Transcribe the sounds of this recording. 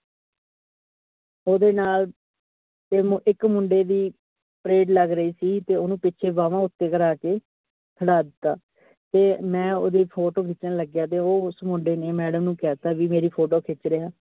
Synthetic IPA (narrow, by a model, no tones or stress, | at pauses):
oːd̪eːnaːl | t̪eːmʔɪkmʊɳɖeːd̪iː | pɾeːɖləɡɾəiːsiːt̪eːoːnũːpɪːʃʰeːʋaːʋãːʊt̪ːeːkəɾaːkeː | t̪ʰəɽaːd̪ɪt̪ːaː | t̪eːmɛ̃ːo̰ːd̪eːpʰoːʈoːkʰɪt͡ʃnãːləɡjaːt̪̬eːoːʊsmʊɳɖeːneːmɛːɽəmnũːkɛːt̪aːʋiːmeːɾiːpʰoːʈoːkʰɪt͡ʃɾeaː